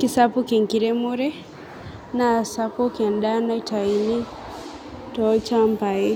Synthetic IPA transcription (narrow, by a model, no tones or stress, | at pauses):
kisapukiŋkiɾɛmuɾɛ | nasapɔkɛnɗanaitaini | tɔt͡ʃampai